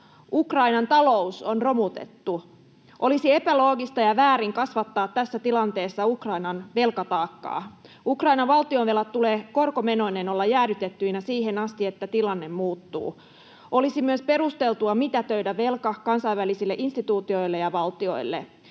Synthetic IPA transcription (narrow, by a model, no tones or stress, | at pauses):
ʔukrɑinɑnt̪ɑlo̞uso̞nro̞mut̪e̞̰t̪ːu | ʔo̞lisie̞pælo̞ːɡist̪ɑjɑʋæːɾiŋkɑsʋɑt̪ːɑːt̪t̪æsːæt̪ilɑnt̪e̞ːsːɑukrɑinɑnʋe̞lkɑt̪ɑːkːɑ̰ː | ukrɑinɑʋʋɑlt̪ionʋe̞lɑt̪t̪ːuleːko̞rkome̞no̞ineno̞lːɑjæːɾyt̪et̪ːyinæsiːɦenɑst̪iet̪ːæt̪ilɑnːe̞mmuːt̪ːṵː | o̞lisimyøspe̞ɾust̪e̞lt̪uɑmit̪æt̪øidæʋe̞lkɑkɑnsɑiʋʋælisilːeʔinst̪it̪uːt̪io̞jlːejɑʋɑlt̪io̞̰ilːḛ